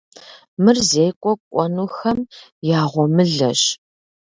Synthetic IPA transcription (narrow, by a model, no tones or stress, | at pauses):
mɨrzejkʷʼɔkʷʼɔnuːxɐmjaːʁʷɔmɨɮɐɕ